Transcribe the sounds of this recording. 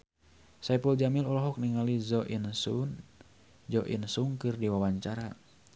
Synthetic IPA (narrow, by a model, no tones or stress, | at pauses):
sapuld͡ʒamilɔlɔɦɔk̚niŋalizɔʔinsun | d͡ʒɔʔḭnsuŋkɨrdiwawaɲt͡ʃaɾa